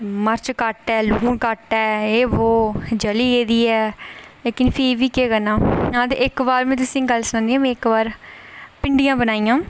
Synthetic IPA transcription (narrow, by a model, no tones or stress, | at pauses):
məɾt͡ʃkəʈɛːluːnkəʈɛːeːʋoːd͡ʒəliːeːd̪iːɛːleːkɪnpʰiʋiːkeːkənãːãːd̪ḛʔɪkbaːɾmɛ̃ːt̪ʊsĩːɡəlsʊñnd̪iːãːmɛ̃ːɪkbaːɾpɪɳɖijãːbənaːiːãː